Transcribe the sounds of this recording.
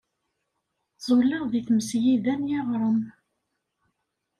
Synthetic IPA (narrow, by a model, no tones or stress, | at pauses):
z̥ˤolɑʁðiθməsjiðænjeʁɾˤən